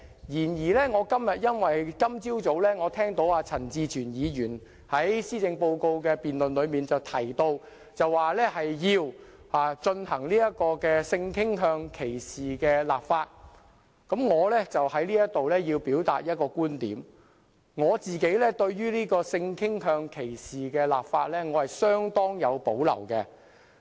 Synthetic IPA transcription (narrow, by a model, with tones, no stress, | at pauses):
jiː˨˩njiː˨˩lɛː˥ŋɔː˨˧kɐ˥mjɐ˨t̚jɐ˥nwɐ˨jkɐ˥mt͡siː˥wt͡so˨˥wlɛː˥ŋɔː˨˧t̪ʰɛː˥ŋt̪o˨˥waː˧t͡sʰɐ˨˩nt͡siː˨˧t͡ʃʰyː˨˩njiː˨˧jyː˨˩n | hɐ˨˥jsiː˥t͡sɪ˧ŋpo˧wko˧wkɛː˧piː˨˩nlɵ˨nlɵ˨˧ɥmiː˨nt͡sɐ˨wt̪ʰɐ˨˩jt̪o˧w | t͡sɐ˨wːaː˨lɛː˥hɐ˨jjiː˧w | aː˨t͡ʃɵ˧nhɐ˨˩ŋliː˥jɐ˥t̚kɔː˧kɛ˧sɪ˧ŋkʰɪ˥ŋɦœː˧ŋkʰe˨˩jsiː˨kɛː˧laː˨pfaː˧t̚ | kɐ˨˥mŋɔː˨˧lɛː˥t͡sɐ˨whɐ˨˥jliː˥jɐ˥t̚t̪o˨wlɛː˥jiː˧wpiː˨˥wt̪a̰ː˨t̚jɐ˥t̚kɔː˧kuː˥nt̪iː˨˥m | ŋɔː˨˧t͡siː˨ke˨˥jlɛː˥t̪ɵ˧ɥjyː˥liː˥kɔː˧sɪ˧ŋkʰɪ˥ŋɦœː˧ŋkʰe˨˩jsiː˨kɛː˧laː˨pfaː˧t̚lɛː˥ŋɔː˨˧hɐ˨jsœː˥ŋt̪ɔː˥ŋjɐ˨˧wpo˨˥wlɐ̰˨˩wkɛ˧